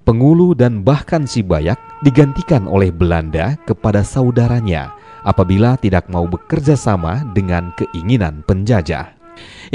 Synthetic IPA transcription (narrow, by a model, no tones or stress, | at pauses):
pəŋuludanbahkansibajak̚diɡant̪ikanʔo̰lɛhbəlandakəpadasaudaɾaɲa̰ | ʔapabilat̪idak̚maubəkərd͡ʒasama̰dəŋankəʔiŋina̰npəɲd͡ʒad͡ʒa̰